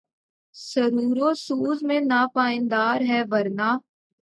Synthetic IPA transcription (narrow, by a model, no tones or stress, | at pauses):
sɐɾuːɾosuːzmẽnaːpaːɪ̃nd̪aːɾɦɛːʋɐɾnaː